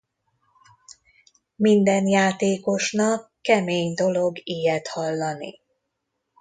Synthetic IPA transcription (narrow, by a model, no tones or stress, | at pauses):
mind̪ɛnjaːt̪eːko̞ʃnɒkːɛmeːɲd̪o̞lo̞ɡiːjɛt̪hɒlːɒnḭ